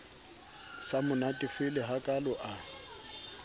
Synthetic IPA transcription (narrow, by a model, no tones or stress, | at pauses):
samʊnatʼɪfɪlɪɦakʼalɔʔa